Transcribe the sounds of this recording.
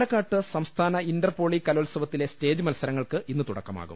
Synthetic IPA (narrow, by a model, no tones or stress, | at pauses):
ɽɐkːaːʈːɨsɐmst̪ʰaːnɐindɐrpo̞ːɭikɐlolsɐʋɐt̪ːile̞ste̞ːd͡ʑɨmɐlsɐɾɐŋːɐɭkɨʔinːɨt̪uɽɐ̰kːɐma̰ːɣṵm